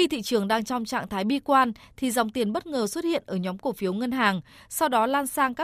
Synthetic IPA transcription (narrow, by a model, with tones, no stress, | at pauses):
xi˧t̪ʰḭ˧˨t͡ɕɨ˨˩əŋɗaː˧ŋt͡ɕɔ˧wŋ͡mt͡ɕa̰ː˧˨ŋt̪ʰaː˨˦jɓi˧kwaː˧nt̪ʰi˨˩za˨˩wŋ͡mt̪i˨˩ənɓə˦˥t̚ŋəː˨˩swt̚hḭ˧˨ənʔəː˧˩ɲɔ˨˦mko˧˩fi˨˦əwŋə˧nɦaː˨˩ŋsa˧wɗɔ˨˦laː˧nsaː˧ŋkaː˦˥